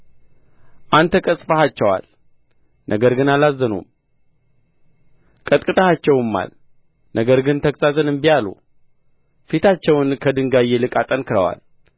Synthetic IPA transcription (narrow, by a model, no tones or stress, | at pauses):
ʔant̪ʰəkʼəsʼfəhat͡ʃːɛwa̰l | nʔəɡəɾɡɨnalazːənṵm | kʼət̪ʼkʼɨt̪ʼəhat͡ʃːɛwɨmːa̰l | nʔəɡəɾɡɨnt̪ʰəkʼsʼat̪ʰɨnɨmbijalṵ | fit̪ʰat͡ʃːɛwnkʰəd̪ɨŋɡajːelɨkʼat̪ʼənkɨɾəwa̰l